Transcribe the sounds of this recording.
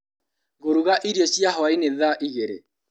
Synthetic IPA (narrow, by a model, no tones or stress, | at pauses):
ɣoɾuɣaʔiɾiɔsjaɦɔaineðaʔiɣeɾḛ